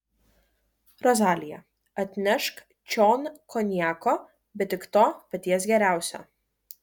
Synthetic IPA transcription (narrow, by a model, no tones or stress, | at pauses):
ɾɔzʲaːlʲɪjɛ | ɐt̪ʲnʲɛʃk | t͡ʃʲoːnkɔnʲjæːkɔː | bʲɛt̪ʲːɪkt̪oːpɐt̪ʲiɛsɡʲɛɾʲæˑʊsʲɛ̰